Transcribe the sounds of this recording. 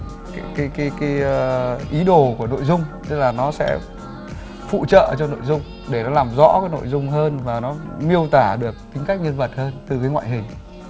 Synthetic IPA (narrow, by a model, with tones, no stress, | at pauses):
ka˨˦kaː˨˦jkaː˨˦jkiː˨˦jʔi˨˦ɗo˨˩ku˧˩əno̰˧˨jzʊ˧ŋ͡mt̪ɨ˦˥laː˨˩nɔ˨˦sɛ̰˧˥ | fṵ˧˨t͡ɕə̰ː˧˨ʔə˧˩t͡ɕɔ˧ŋ͡mno̰˧˨jzʊ˧ŋ͡m | ɗe˧˩nɔ˨˦laː˨˩mzɔ̰˧˥kaː˨˦jno̰˧˨jzʊ˧ŋ͡mɦəː˧nvaː˨˩nɔ˨˦mi˧əwt̪aː˧˩ɗɨ˨˩ək̚t̪ï˨˦ŋ̟ka˦˥k̟̚ɲə˧nvə˨˩t̚həː˧nt̪ɨ˨˩və˨˦jŋwa̰ː˧˨jɦï˨˩ŋ̟